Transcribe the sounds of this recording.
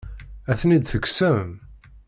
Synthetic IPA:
æθnid̪θəksæməm

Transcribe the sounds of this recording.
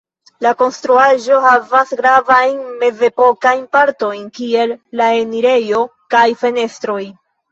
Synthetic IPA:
lako̞nstɾuaʒo̞havasɡɾavajnme̞ze̞po̞kajnpaɾto̞jnkie̞lːae̞niɾe̞jo̞kajfe̞ne̞stɾo̞j

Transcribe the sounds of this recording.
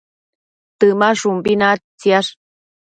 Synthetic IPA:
t̪ɨmaʂumbinat͡siaʂ

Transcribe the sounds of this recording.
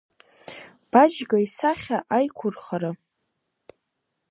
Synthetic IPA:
b̥ad͡ʒɡaisaχʲaʔajkʷʰʊrχaɾa

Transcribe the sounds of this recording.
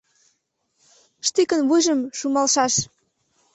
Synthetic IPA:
ʃt̪ikənβujʒəmʃumɑlʃɑʃ

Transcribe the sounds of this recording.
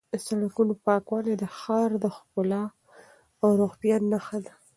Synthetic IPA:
əsaɽakunopɑkwɑned̪əxɑɾd̪əxpʊlɑ | awɾoɣt̪janːaxad̪a

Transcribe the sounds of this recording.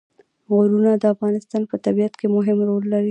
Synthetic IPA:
ɣoɾunad̪əafɣɑnɪst̪ɑnpət̪abiat̪kemʊɦɪmɾolːaɾi

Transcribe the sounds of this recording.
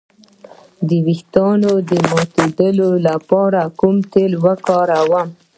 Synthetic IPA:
d̪əwixt̪ɑnod̪əmɑt̪ed̪əlolapɑɾakumt̪elwəkɑɾawam

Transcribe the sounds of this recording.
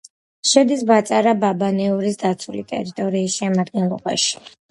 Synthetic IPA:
ʃɛd̪isbat̪sʼaɾababanɛuɾisd̪at̪sʰulit̪ʼɛ̰ɾit̪ʼɔɾiːsʃɛmad̪̚ɡɛnlˠɔba̰ʃi̥

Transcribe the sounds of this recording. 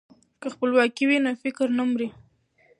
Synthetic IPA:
kəxpəlwɑkiwinofɪkɾnamɾi

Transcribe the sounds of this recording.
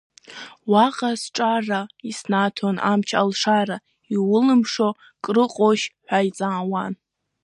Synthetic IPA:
waqʼasʈ͡ʂʼaraisnatʰonʔa̰mt͡ʃʰa̰lʂara | iwʊlɨmʂo | kʼrɨqʼoʃħʷᶣajt͡sʼaːwan

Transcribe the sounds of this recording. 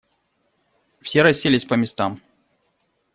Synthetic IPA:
fsʲeɾɐsʲːelʲɪsʲpəmʲɪst̪am

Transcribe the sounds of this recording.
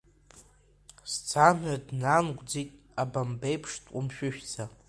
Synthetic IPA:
st͡sʰamadnanɡʷd͡zitʼ | abambejpʰʂtʼʷumʃᶣʊʃᶣt͡sʰa

